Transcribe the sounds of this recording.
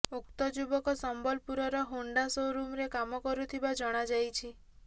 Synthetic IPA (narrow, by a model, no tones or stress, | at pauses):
ukt̪ɔd͡ʒubɔkɔsɔmbɔlpuɾɔɾɔɦoɳɖasoɾumɾekamɔkɔɾut̪ʰibad͡ʒɔɽ̃ad͡ʒajt͡ʃʰi